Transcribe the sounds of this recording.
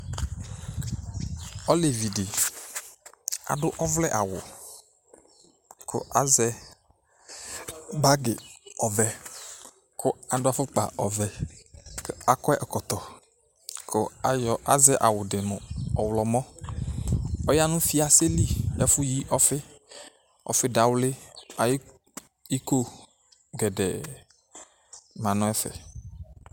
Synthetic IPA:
ɔ˦le˨vi˨dɪ˨ | a̰˨ɖʊ˦ʔɔ˦vlɛ˦ʔa˨wʊ̰˨ | kʰʊ̰˦ʔa˦zɛ˦ | ba˦ɡɪ˨ɔ˨vɛ˨ | kʰʊ˦a˨ɖʊ˦a˨fʊ˦k͡pa̰˨ɔ̰˨vɛ˨ka˦kɔ˦ɛ˦ʔɛ˨kɔ˨t̪ɔ˨ | ko˦ja˨zɛ˦ʔa˨wʊ˨dɪ˨mɔ˨ɔ˨wlɔ˨mɔ̃˦ | ɔ˦ja˦nũ˦fi˦a˨se˦li˦ɛ˦fʊ˦ji˦ʔɔ˦fɪ˦ | ɔ̰˨fɪ˦da˨wlɪ˦a˨j | i˦ko˦ | ɡɛ˨dɛ̰˨ | mã˨nɔ̃˦ɛ˦fɛ̰˨

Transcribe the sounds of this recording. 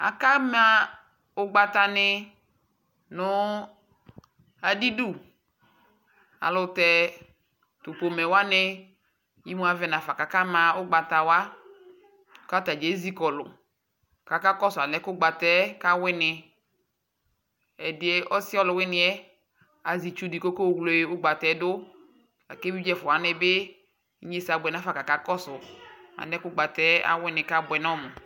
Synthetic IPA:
a̰˨ka˦m˦a˦ | ʊ˦ɡ͡ba˦t̪a˦nɪ˦ | nʊ˦ | a˨di˦du˦˨ | a̰˨lʊ˦tɛ˦ | tu˨po˨mɛ˨wa˦nɪ˦ | ji˦mũ˦a˨vɛ˦na˨fa˨ka˨ka˦ma˨ʊ˦ɡ͡ba˨t̪a˨wa˦˨ | ka˦t̪a˨d͡ʒe˨˦zi˦kɔ˨lʊ̰˨ | ka˨ka˦kɔ˦sʊ˨a˨lɛ˦kʊ˦ɡ͡ba˨tɛ˦ka˦wɪ˦nɪ˨ | ɛ˨dɪ˨˦ɛ˦ʔɔ˦sɪ˦ɔ˦lʊ˨wɪ˦nɪ˦ɛ˦ | a˨zi˨t͡ʃu˦di˨ko˦ko˦˨wlo˨˦e˦ʊ˦ɡ͡ba˨t̪ɛ˦dʊ˦ | a̰˨ke˦bi˦d͡ʒɛ˦fʊ˨a˦nɪ˦bɪ˦ | e˦sa˨bʷʊ˨ɛ˨na˦fa˨ka˨ka˦kɔ˦sʊ˨a̰˨nɛ˦kʊ˦ɡ͡ba˨tɛ˦a̰˦wɪ˦nɪ˨ka˦bʊ˨ɛ˨nɔ˦˨mʊ˨

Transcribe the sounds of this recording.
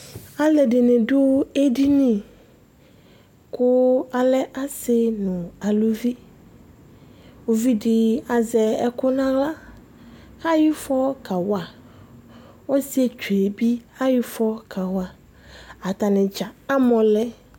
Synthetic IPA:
a˨lɛ˨ɖɪ˨nɪ̃˨ɖʊ˦e˦ɖi˦nĩ˨ | kʰʊ˦a˨lɛ˦ʔa˦sɪ˦nũ˨a˨lu˦vi˦ | wo˨vi˦ɖɪ˨a˨zɛ˨ɛ˨kʊ˦nã˦la˦ | ha˦ji˦fɔ˦ka˨wa˨ | wo˦si˦e˦t͡ʃu˨e˨bi˦ha˦ji˦fɔ˦kʰa˨wa˨ | a˨t̪a˨nɪ̃˨d͡ʒa˨a˦mɔ̃˨lɛ˦

